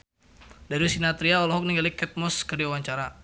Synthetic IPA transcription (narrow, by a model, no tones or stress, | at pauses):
daɾiusinat̪ɾiaɔlɔɦɔk̚niŋɡalikɛt̪̚mɔskərdiawaɲt͡ʃaɾa